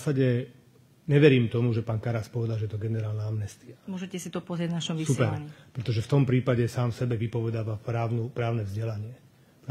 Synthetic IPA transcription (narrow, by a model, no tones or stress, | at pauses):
asaɟɛ | ɲɛʋɛɾiːmt̪ɔmuʒɛpaːnkaɾaspɔʋɛd̪alʒɛjɛt̪ɔɡɛnɛɾaːlnaamnɛst̪iamʊɔʒɛcɛsit̪ɔpɔzɾɛɟvnaʃɔmʋisupɛɾɲpɾɛt̪ɔʒɛft̪ɔmpɾiːpaɟɛsaːmfsɛbɛʋipɔʋɛd̪aːʋapɾaːʊnupɾaːʊnɛvzɟɛlaɲɪɛ | pɾ